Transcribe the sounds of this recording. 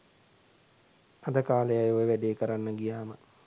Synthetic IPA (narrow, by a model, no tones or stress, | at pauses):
ad̪əkaːləjajojəʋæɖeːkəɾanːəɡijaːmə